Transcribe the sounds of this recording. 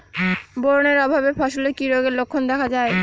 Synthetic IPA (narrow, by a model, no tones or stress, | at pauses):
boɾoneɾɔbʱabefʰaʃolekiɾoɡeɾlokʰːond̪ɛkʰad͡ʑae